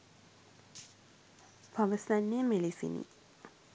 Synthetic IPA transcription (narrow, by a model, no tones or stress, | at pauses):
paʋəsanːemelisḭnḭ